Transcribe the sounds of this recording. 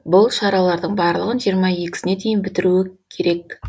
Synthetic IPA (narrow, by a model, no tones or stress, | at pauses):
bʊlˠʃɑɾɑlˠɑɾd̪əɴbɑɾlˠəʁənʒijəɾmɑje̞kʲɪ̥sɪne̞d̪e̞jɪnbɪt̪ɪɾuɪkʲʰe̞ɾe̞k̚